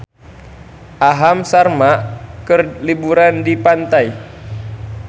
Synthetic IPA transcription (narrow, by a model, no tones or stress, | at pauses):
ʔaɦamsarmakərlibuɾandipant̪aj